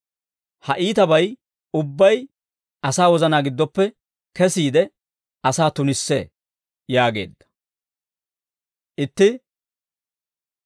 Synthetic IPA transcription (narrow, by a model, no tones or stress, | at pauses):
hɐʔiːt̪ɐbɐj | ʊbːɐj | ɐsaːwɔzɐnaːɡɪd̪ːɔpːɛ | kɛsiːd̪ɛ | ɐsaːt̪ʊnɪsːḛ | jaːɡe̞̰ːd̪ːɐ̥ | ʔɪt̪ːɪ